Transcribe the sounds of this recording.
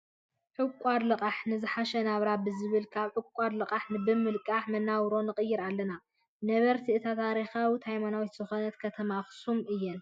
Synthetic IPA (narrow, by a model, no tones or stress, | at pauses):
ħɨkʼaɾlɨqʼaħnɨzɨħaʃɐnaβɾabɨzɨβɨlkʰaβħɨkʷʼaɾlɨqʼaħnɨbɨmɨlkʼaħmɐnːawɾo̞nɨqʼɨjːɪɾalːɐna | nɐβɐɾt̪ʰiɨt̪ʰat̪ʰaɾixawit̪hajmanawit̪z̥ɨxonɐt̪kʰɐt̪ʰɐmaxsumʔɨjːɛn